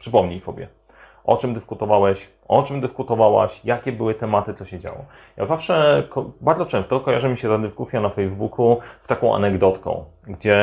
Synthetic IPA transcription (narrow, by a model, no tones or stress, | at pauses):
pʂɘpɔmɲijsɔbʲjɛ̰ | ʔɔt͡ʂɘmd̪ɘskut̪ɔvawɛɕ | ʔɔt͡ʂɘmd̪ɘskut̪ɔvawa̰ɕjakʲɛbɘwɘt̪ɛmat̪ɘt̪ɔɕɛd͡ʑa̰wɔ̰ | ja̰zafʂɛkbaɾd̪ɔt͡ʂɛ̃w̃st̪ɔkɔjaʐɘmʲiɕɛt̪ad̪ɘskusʲjanafɛjzbukʰuft̪akɔ̃w̃ʔa̰nɛɡd̪ɔt̪kɔ̰̃w̃ | ɡd͡ʑɛ